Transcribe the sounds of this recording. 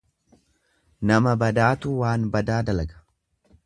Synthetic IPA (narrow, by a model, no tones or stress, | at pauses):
nɐmɐbɐd̪aːt̪uːwaːnbɐd̪aːd̪ɐlɐɡɐ̥